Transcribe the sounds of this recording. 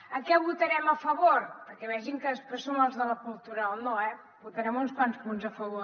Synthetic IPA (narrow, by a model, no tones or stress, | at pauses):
əkɛβut̪əɾɛməfəβoɾpəɾkɛβɛʒiŋkəskəsonəlˠzðələkulˠt̪uɾəonoɛ | but̪əɾɛmunspanspunzəfəβo